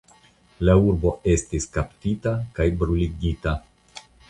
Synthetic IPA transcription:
lauɾbo̞e̞stiskaptitakajbɾuliɡita

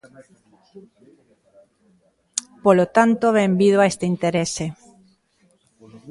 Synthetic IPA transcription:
polot̪ant̪oβẽmbiðoaest̪eint̪eɾese

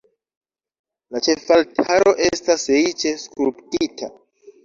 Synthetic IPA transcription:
lat͡ʃe̞faltʰaɾo̞ʔe̞staseit͡ʃe̞skulptitʰa

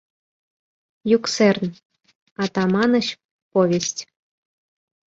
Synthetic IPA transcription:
juksern | ɑt̪ɑmɑnɤ̆ɕ | povʲesʲtʲ

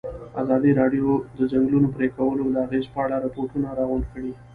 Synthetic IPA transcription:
a̰zɑd̪iɾɑɖjod̪əd͡ʒaŋɡlunopɾekawəlolaaɣezpəaɽaɾapoʈunaɾɑɣʊɳɖkəɽi

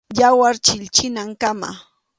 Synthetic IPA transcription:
jawaɾt͡ʃɪʎt͡ʃɪnaŋkama̰

